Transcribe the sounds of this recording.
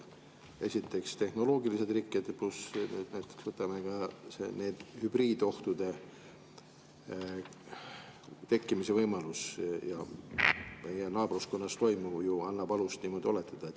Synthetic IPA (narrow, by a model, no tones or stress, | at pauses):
e̞sʲit̪ːˑe̞kst̪e̞hno̞lo̞ːɡilise̞d̪rikːˑed̪̥plusnyːd̥̪næjt̪ːˑeksvɤt̪ːˑɑme̞ɡ̥ɑsḛneːd̪̥hyb̥riːd̪̥o̞ht̪ud̪̥e̞ | t̪e̞kːimise̞vɤjmɑlusjɑ̰ | me̞jenɑːbrusko̞nːɑst̪o̞jmuvjuɑnːɑb̥ɑlust̪nimo̞d̪io̞let̪ːˑɑd̪̥ɑet̪